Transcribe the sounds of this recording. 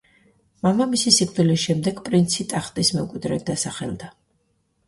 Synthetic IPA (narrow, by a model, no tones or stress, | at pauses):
mamamisisikʼd̪ilisʃɛmd̪ɛɡpʼɾint̪sʰit̪ʼaχt̪ʼismɛmkʼwid̪ɾɛd̪asaχɛ̰lˠd̪a